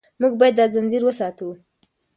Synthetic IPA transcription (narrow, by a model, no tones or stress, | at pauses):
muɡ̚bɑjad̪ːɑzanziɾwəsɑt̪u